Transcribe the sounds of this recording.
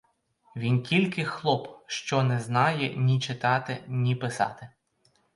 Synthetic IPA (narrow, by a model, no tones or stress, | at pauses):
ʋʲinkʲilʲkɪxlˠɔpʃt͡ʃɔnɛznɑjɛnʲit͡ʃɪt̪ɑt̪ɪnʲipɪsɑ̰t̪ɪ